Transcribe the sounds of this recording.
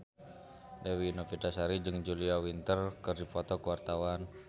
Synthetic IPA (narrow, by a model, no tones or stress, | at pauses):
lewinofidasaɾid͡ʒɨŋd͡ʒuliawint̪ərkərdipɔt̪ɔkəwart̪awan